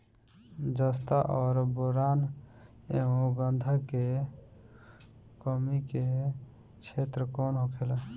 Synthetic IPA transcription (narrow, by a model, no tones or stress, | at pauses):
d͡ʒəst̪aʔɔːɾboɾaːn | eɦõɡənd̪ʱəke | kɔmike | t͡ʃʰet̪ɾəkɔːnɦokʰelə